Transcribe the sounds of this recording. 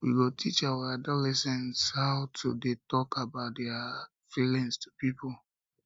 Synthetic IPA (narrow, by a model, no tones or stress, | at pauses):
wiɡotʰit͡ʃawaadɔlɛsɛ̃nshaʊtʰudetɔkʰabaʊt̚dɛa | filĩŋstʰu̥pipɔl